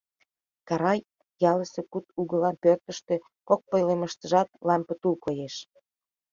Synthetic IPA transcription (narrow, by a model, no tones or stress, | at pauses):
kɑɾɑj | jɑləsĕkut̪uɣə̆lɑnpørt̪ə̆ʃt̪ĕ | kok̚pŏjlemə̆ʃt̪ə̆ʒɑt̪lɑmpə̆t̪ulkojeʃ